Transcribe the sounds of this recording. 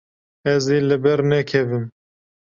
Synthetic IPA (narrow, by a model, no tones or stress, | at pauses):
ɛzeːlɨbɛɾnɛkʰɛvɨm